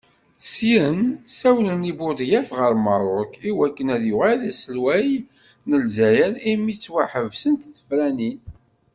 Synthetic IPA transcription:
sjənsæwlənibʊd̪jæfʁəɾmərˤʊɾkiwækːənæðjʊʁæðæsəlwæj | nəlzæjəɾimit͡sːwaħəvsənt̪θə̥fɾænin

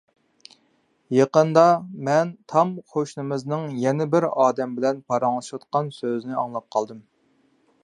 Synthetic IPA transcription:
jeqənd̪ɑmɛnt̪ʰɑmqʰoʃnɨmɨznɨŋjɛnɪbɪɾɑːd̪ɛmbɪlɛnpʰɑɾɑŋlˠɨʃɑt̪̚qɑnsøznɪɑ̰ŋlˠɑp̚qʰɑlˠd̪ɨm

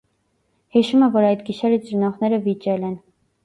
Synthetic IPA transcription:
hiʃumɛvɔɾɑjt̪ɡiʃɛɾit͡sɾnɔʁnɛɾəvit͡ʃɛlɛn

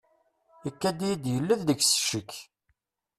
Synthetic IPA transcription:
əkːæd̪ijid̪jəlːəððəçsə̥ʃəkː

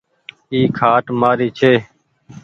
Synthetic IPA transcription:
iːkʰaːʈmaːɾiːt͡ʃʰeː

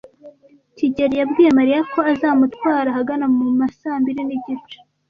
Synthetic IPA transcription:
ciɟe̞ɾijabɡiːjemaɾijako̞azaːmutwaːɾahaɡanamumasaːmbiɾiniɟit͡ʃu̥

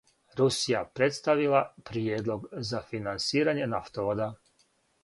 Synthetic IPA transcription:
ɾusijapɾe̞t̪st̪aʋilapɾijed̪lo̞ɡzafinansiːɾaɲe̞naft̪oʋod̪a

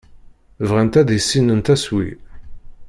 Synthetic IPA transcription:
vʁænt̪æðisːinənt̪æswḭ

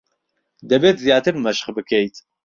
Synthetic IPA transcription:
d̪ɛbeːt̪zijaːt̪ʰɨɾmɐʃχbɨkʰejt̪ʰ

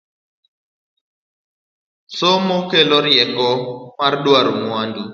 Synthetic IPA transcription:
somokelɔɾjɛkɔmarɗwaɾmwandu

